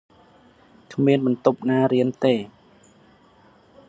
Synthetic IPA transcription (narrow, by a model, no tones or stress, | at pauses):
kʰmiənɓɑnt̪up̚naːɾiənt̪eː